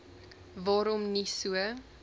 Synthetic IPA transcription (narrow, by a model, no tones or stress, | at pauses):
vɑːɾɔmnisuə